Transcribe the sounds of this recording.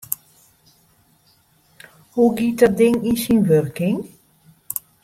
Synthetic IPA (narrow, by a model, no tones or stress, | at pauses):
huɡit̚dɔt̚dɪŋinsinʋørkɪŋ